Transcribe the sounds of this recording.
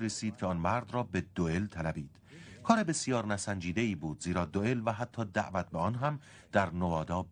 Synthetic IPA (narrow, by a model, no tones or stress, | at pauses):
ɾesiːd̪̚cʰeɒːnmæɾd̪rɒːbe̞d̪oelt̪ʰælæbiːd̪̥kʰɒːɾebe̞sijɒːɾnæsænd͡ʒiːd̪eiːbuːd̪ziːɾɒːd̪oelvæɦæt̪ʰːɒːd̪æʔvæt̪̚beɒːnɦæm | d̪̥æɾnovɒːd̪ɒːb